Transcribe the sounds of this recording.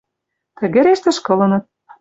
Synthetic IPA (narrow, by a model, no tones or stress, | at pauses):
t̪ɘ̆ɣĕɾeʃt̪ĕʃkɤ̆lɤ̆nɤ̆t̪̚